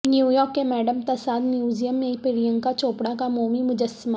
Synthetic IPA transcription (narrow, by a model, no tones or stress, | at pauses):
njuːjɔːɾkːemɛːɖəmt̪ɐsaːd̪mjuːzijəmːẽpɪɾijə̃ŋɡkat͡ʃoːpɽakamoːmimʊd͡ʒəsːɪma